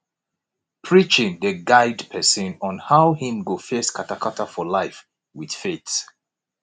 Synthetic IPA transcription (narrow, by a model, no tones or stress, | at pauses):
pʰɹit͡ʃɪ̃ŋðəɡaɪdpʰɛsə̃nɔ̃nhaʊhĩmɡofɛskʰatakʰatafɔlaɪf | wið̥fets